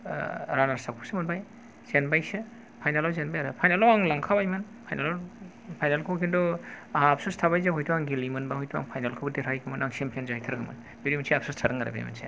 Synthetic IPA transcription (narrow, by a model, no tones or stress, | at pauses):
ɾanaɾsakʰusemɯnbaj | z̥enbajsi | pʰajnalawzenbajaɾɯpʰajnalawaŋlaŋkʰabajmɯn | pʰajnala | pʰajnalkʰɯwkʰindɔaɦaːpsostʰaβajzaɦɔjtʰuaŋɡilimɯnbahɔjtʰuwa̰ŋpʰajnalkʰɯwbɯdeɾʰajkʰɯmɯnaŋsempʰenzajtʰɯɾɡɯma̰n | biɾimsʰiapsastʰaɾɯŋaɾa̰bḛj̰ma̰nsʰḛ